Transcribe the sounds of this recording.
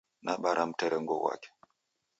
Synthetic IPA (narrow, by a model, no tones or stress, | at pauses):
naɓaɾam̩tɛɾɛŋɡɔwa̰ke̥